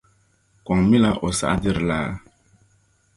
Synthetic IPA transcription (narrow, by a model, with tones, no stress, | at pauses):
kwa˨ŋmi˦la˦ʔo˨sa̰˦ʔdi˦ɾla˦˨